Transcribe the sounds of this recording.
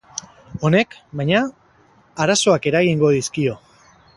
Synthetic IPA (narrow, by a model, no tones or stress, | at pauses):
o̞ne̞kbajɲaː | ɾaso̞ake̞ɾaɣiŋɡo̞ðiskio̞